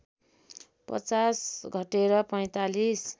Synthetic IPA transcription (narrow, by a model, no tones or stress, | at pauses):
pʌ̰t͡sasɡʱʌʈeɾʌpʌj̃t̪alis